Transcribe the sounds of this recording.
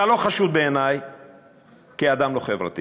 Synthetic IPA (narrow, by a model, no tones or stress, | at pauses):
alo̞χaʃud̪be̞ːnaj | kiad̪amlo̞χevʁa̰t̪i